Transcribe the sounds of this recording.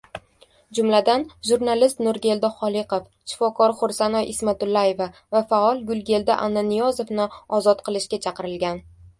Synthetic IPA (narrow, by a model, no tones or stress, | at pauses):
d͡ʒʊmlad̪anʒuɾnalɪst̪nʊɾɡʲe̞ld̪aχɒlˠɪqof | ʃɪ̥fɒkʰɒɾχʊɾsanɒjʔɪsmat̪ʊlːaje̞vavafaɒlˠɡʊlˠɡʲe̞lˠd̪aʔanːanijɒzofnɪɒzɒt̪qʰɨlˠɪʃkʲat͡ʃʰɑqɨɾɪlɡʲan